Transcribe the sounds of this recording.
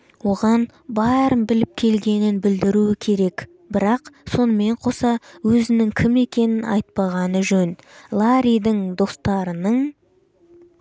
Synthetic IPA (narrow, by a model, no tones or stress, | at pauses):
wo̞ʁɑnbɑɾəmbɪlɪp̚kʲʰe̞lɡʲe̞nɪnbɪld̪ɪɾuwɪkʲʰe̞ɾe̞k | bɪɾɑqso̞nəme̞ɴqʰo̞sɑwɵzɪnɪŋkʲʰɪme̞kʲe̞nɪnɑ̰jt̪̚pɑʁɑnəʒɵnlˠaɾʲijd̪ɪɴd̪o̞st̪ɑɾənəɴ